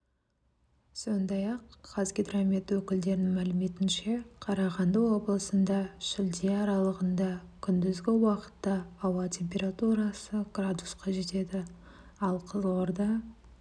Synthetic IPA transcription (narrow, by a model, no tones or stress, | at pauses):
so̞nd̪ɑjɑqːɑzɡʲid̪ramit̪wɵkʲɪld̪e̞ɾɪnɪŋmælɪme̞t̪ɪnʃe̞qʰɑɾɑʁɑnd̪əwo̞bəlˠəsənd̪ɑʃɪld̪iɑɾɑlˠəʁənd̪ɑkʲʰʏnd̪ɪzɡʲɪwɑqə̥t̪ːɑːwɑt̪ʲʰe̞mpʲe̞ɾat̪uɾɑsəɡ̥rad̪usqɑʒe̞t̪e̞d̪ɪ | ɑlˠqʰəzoɾd̪ɑ